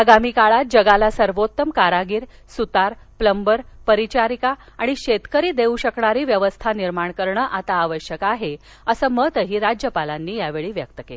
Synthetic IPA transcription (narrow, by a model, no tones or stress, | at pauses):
əɡamiːkaɭat̪̚d͡ʑəɡalasəɾʋot̪ːəmkaɾaɡiːɾsut̪aɾpləmbəɾpəɾit͡ɕaɾikaaɽ̃iɕet̪kəɾiːd̪euɕəkɳaɾiːʋjəʋəst̪ʰaniɾmaɳkəɾɳəːʔat̪aːʋəɕjəkaɦe | əsəːmət̪əɦiːɾad͡ʑjəpalanːiːjaʋeɭiːʋjəkt̪əke